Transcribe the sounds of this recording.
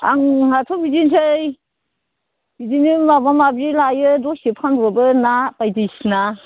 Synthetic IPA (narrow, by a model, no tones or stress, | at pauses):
a̰ŋhatʰɔbidintʰɯj | b̥idinimabamabɾilajɯdɔsipʰanɔbɯnapajdijsna